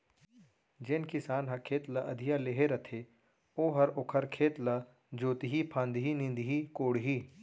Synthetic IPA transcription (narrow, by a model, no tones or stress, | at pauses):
d͡ʒenkɪsaːnɦɐɾkʰeːt̪laʔɐd̪ʱijaleːɦeɾɐt̪ʰe | oːɦɐɾokʰəɾkʰeːt̪la | d͡ʒoːt̪iɦipʰãːnd̪ɦinɪ̃nd̪ɦikoːɽɦiː